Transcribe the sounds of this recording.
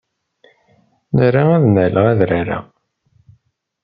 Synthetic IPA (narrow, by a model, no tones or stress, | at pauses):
nəɾaæðnələʁæðɾaɾa̰